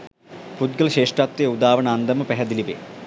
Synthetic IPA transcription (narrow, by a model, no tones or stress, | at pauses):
fut̪ɡɐlɕeːʂʈraːt̪ɾijɐud̪aːʋɐɳɐːnd̪ɐmɐpeɦɐd̪iliʋḛː